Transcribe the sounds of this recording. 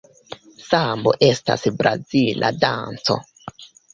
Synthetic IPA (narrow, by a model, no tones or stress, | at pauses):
sambo̰ʔe̞sta̰sbɾazilʔa̰dant͡so̞̰